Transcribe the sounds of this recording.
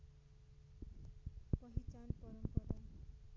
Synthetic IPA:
pʌɦit͡sanpʌɾʌmpʌd̪ʌn

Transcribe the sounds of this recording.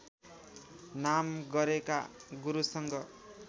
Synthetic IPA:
namɡʌɾeka̰ɡuɾusʌŋɡʌ

